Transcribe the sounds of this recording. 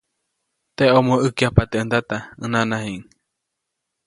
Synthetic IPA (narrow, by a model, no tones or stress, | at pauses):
t̪eomõɨkiapat̪eɨnd̪at̪aɨnãnãɦiŋ